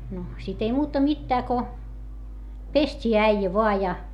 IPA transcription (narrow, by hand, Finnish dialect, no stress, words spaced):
no sit ei muːtɑ mitːæː ko pestʲiː æijæ ʋoɑ jɑ